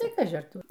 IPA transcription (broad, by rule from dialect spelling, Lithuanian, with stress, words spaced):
ˈtɐɪ ˈkɑːʒʲɪ ɐr ˈtʊr